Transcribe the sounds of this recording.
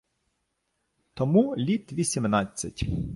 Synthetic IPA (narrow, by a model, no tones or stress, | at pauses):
t̪ɔmulʲit̪ʋʲisʲimnɑt͡sʲːɐtʲ